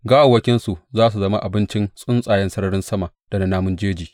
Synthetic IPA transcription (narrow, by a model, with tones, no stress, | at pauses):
ɡaː˦ʔa˨wːɐ˦kʲɪ˦nsu˨ʔzaː˦s̬u˨zɐ˦ma˦ʔa˨bɪ˦nt͡ʃɪ˦nsʼʊ˦nsʼaː˨jɛ˦nsɐ˦ɾɐ˦ɽɪ˦nsɐ˦ma˨d̥ɐ˨na˨naː˦mʊ˦nd͡ʒeː˦d͡ʒiː˨